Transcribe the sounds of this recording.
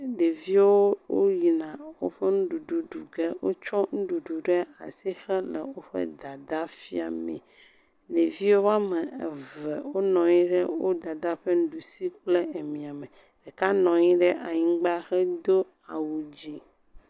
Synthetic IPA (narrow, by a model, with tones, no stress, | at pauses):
ɖe˨vi˦wo˦wo˦ji˨nã˨wo̰˦ɸɛ˦nũ˦ɖu˨ɖu˨ɖu˨ɡe˦wʔo̰˦t͡ʃɔ˦ŋũ˦ɖu˨ɖu˨ɖe˦a˨si˦xɛ˦lɛ̰˨wo˦ɸɛ̰˦d̪a˨d̪a˦fi˦a̰˨mɛ̰̃˨ | ɖe˨vi˦wo˦a˦mɛ̃˨e˨vɛ˨wo˦nɔ̃˨ɲĩ˦ɖɛ˦wo˦d̪a˨d̪a˦ɸe˦n̩˦ɖu˨si˦k͡ple˦e˨mĩ˨a˨mẽ˨ | e˨ka˦nɔ̃˨ɲĩ˦ɖɛ˦ʔa˨ɲĩ˦ɡ͡ba˦xɛ˦d̪o˦ | a˨wu˨d͡ʑi˦